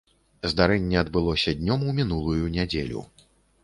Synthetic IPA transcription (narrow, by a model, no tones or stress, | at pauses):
zd̪aɾɛnʲːɛɐd̪bɨlˠɔsʲɐd̪ʲnʲɔmumʲinulˠujunʲad͡zʲelʲṵ